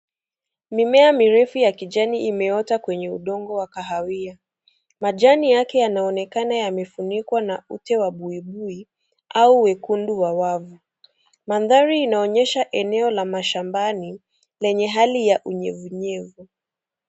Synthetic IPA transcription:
mimɛamiɾɛfujakiʄaniʔimɛɔtakwɛɲɛṵɗɔŋɡɔwakaɦawia | maʄanijakɛjanaɔnɛkanajamɛfunikwanautɛwaɓuiɓui | ʔauwɛkunduwawavu | manðaɾiːnaɔɲɛʃaʔɛnɛɔlamaʃambani | lɛɲɛɦalijaʔuɲɛvuɲɛvu

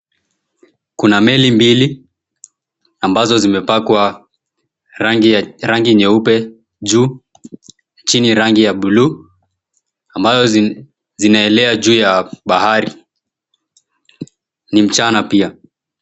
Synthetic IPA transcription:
kunamɛlimbili | ambazɔzimɛpakwa | ɾaŋɡiɲɛupɛ | ʄuː | t͡ʃiniɾaŋɡijaɓulu | ambazɔ | zinaɛlɛad͡ʒuːjaɓahaɾi | nim̩t͡ʃanapia

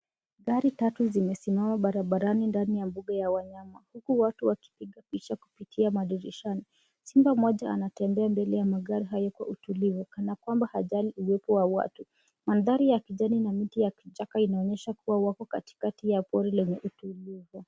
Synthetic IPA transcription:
ɠaɾitatuzimɛsimamaɓaɾaɓaɾanindanijambuɠajawaɲamahukuwatuwaki̥piɠapit͡ʃakupitʰiamaɗiɾiʃani | simbamɔʄaa̰natɛmbɛambɛlɛjamaɠaɾiɦajɔkwa̰ʔutulivukanakwambahaʄaliuwɛpɔwawa̰tu | manðaɾijakiʄaninamitijakiʄakainaɔɲɛʃakuwawakɔkati̥katijapɔɾɛlɛɲɛʔutulivu

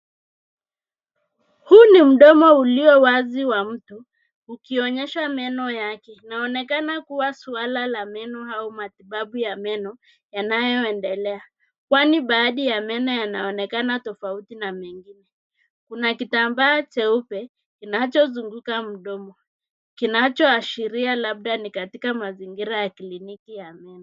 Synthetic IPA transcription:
hunim̩ɗɔmɔuliwɛwaziwam̩tu | ukiɔɲɛʃamɛnɔjakɛinaɔnɛkanakuwasualalamɛnɔhaumatiɓaɓujamɛnɔ | janajɔɛndɛlɛa | kwaniɓaːɗijamɛnɔjanaɔnɛkanatɔfautinamɛŋɡinɛ | kunakitambaːt͡ʃɛupɛ | kinat͡ʃɔzuŋɡukam̩ɗɔmɔ | kinat͡ʃɔaʃiɾialaɓ̚ɗanikatikamaziŋɡiɾajakilinikijamɛnɔ

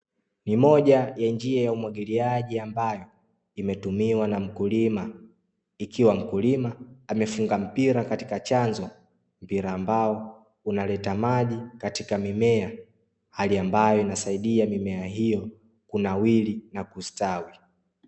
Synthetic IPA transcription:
nimɔʄajand͡ʒiajaumwaɠiliaʄiambajɔ | imɛtumiwanam̩kulima | ikiwam̩kulimaːmɛfuŋɡam̩piɾakatikat͡ʃanzɔ | m̩piɾaːmbaɔ | unalɛtamaʄikatikamimɛa | haliambajɔinasaiɗiamimɛaɦijɔ | kunawilinakustawi

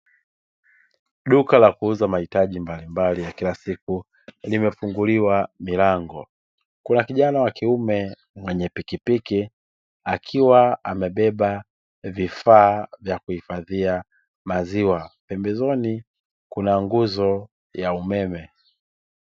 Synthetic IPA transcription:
ɗukalakuuzamahitaʄimbalimbalijakilasiku | limɛfuŋɡuliwamilaŋɡɔ̰ | kunakiʄanawakiumɛ | mwɛɲɛpikipiki | akʰiwaamɛɓɛɓa | vifaːvjakuhifaðia | maziwapɛmbɛzɔni | kunaŋɡuzɔ | jaumɛmɛ

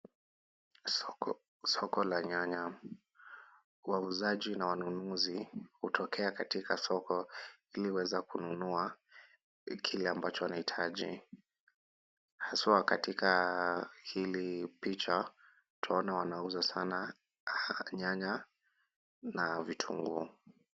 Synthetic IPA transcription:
sɔkɔlaɲaɲa | wauzaʄinawanunuzihutʰɔkʰɛakatikʰasɔkɔ | ilihwɛzakununua | kʰilɛambat͡ʃɔwanahitʰaʄḭ | hasakatika | hilipit͡ʃa | tʰaɔnawanauzasana | ɲaɲa | navitʰṵŋɡṵ

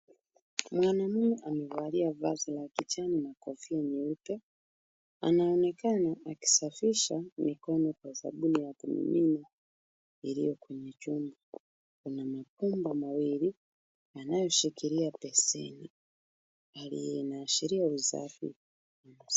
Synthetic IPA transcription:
mwanamumiʔamivaliava̰zilakit͡ʃaninakɔfiaɲiupɛ | a̰naɔnɛkanaʔaki̥safiʃamikɔnɔkwaza̰ɓunijakumḭmina | iɾijɔkwɛɲɛt͡ʃumba | kunamapumbamawiɾi | anajɔʃikiɾiapɛsɛ̰ni | alḭjɛnaːʃiɾiauza̰fḭ | a

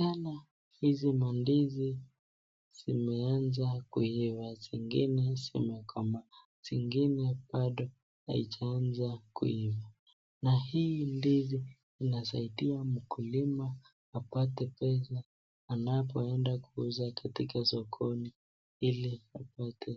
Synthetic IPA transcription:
ana | hizimandizi | z̥imɛanzakuivaziŋɡḭnɛsɛ̰makwamba | z̥iŋɡinɛɓaɗɔ | a̰it͡ʃaanzakṵiva | nahindiziː | nasa̰iɗiam̩kulima | apatɛpɛsaː | napɔɛndakuuzakatikasɔkʰɔni | iliapatʰɛ

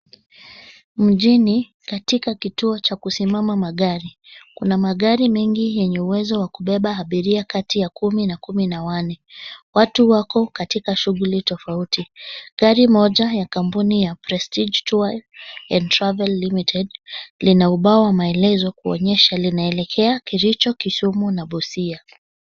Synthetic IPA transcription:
m̩ʄini | katikakituɔt͡ʃakusimamamaɠaɾikunamaɠaɾimɛŋɡijɛɲɛuwɛzɔwakuɓɛɓaɦaɓiɾiakatijakuminakuminawanɛwatuwakɔkatikaʃuɣulitɔfautiɡaɾimɔʄajakampunijapɾɛstid͡ʒtajlɛntɾavɛlːimitʰɛdlinauɓaɔwamaɛlɛzɔkuɔ̰ɲɛʃalinaɛlɛkʰɛakiɾit͡ʃɔkisumunaɓusia

